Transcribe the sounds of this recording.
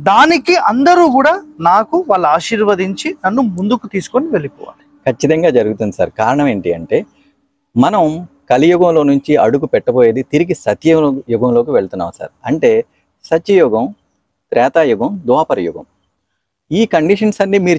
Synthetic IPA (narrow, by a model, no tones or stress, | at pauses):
d̪aːnikiʔɐnd̪ɐɾuːkuːɽaːnaːkuʋaːɭːuaːʃiːɾʋɐd̪iɲt͡ʃinɐnːumund̪ukut̪iːsu̥koniʋe̞lipɔ̰ːʋa̰ːlikʰɐt͡ʃːit̪ɐŋɡaːd͡ʒɐɾuɡut̪und̪isa̰ːɾkaːɾɐɳɐme̞ːɳʈiɐɳʈe̞ː | mɐnɐmkɐlijuɡɐmlo̞ːnuɲt͡ʃiɐɽuɡupɛʈːɐboːjeːd̪it̪iɾiɡisɐt̪jɐjuɡɐmlo̞ːkiʋeɭt̪unːa̰ːmsa̰ːɾɐɳʈe̞ː | sɐt̪jɐjɔːɡɐm | t̪ɾʔɛːt̪aːjuɡɐmd̪uaːpɐɾɐjṵɡɐ̰m | iːkɐɳɖiʂɐnsɐnːimiːɾu